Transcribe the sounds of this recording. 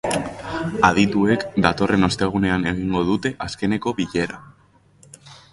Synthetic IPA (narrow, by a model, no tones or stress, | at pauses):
að̞it̪ue̞kd̪at̪o̞rʔe̞no̞st̪e̞ɣ̞une̞ane̞ɣ̞iŋɡo̞ðut̪e̞ʔaske̞ne̞ko̞βiʎe̞ɾa